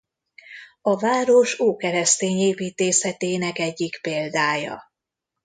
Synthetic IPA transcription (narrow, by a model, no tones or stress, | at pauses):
ɒvaːɾoʃoːkɛɾɛst̪eːɲeːpiːt̪eːshɛt̪eːnɛkɛɟːikpeːld̪aːjɒ̰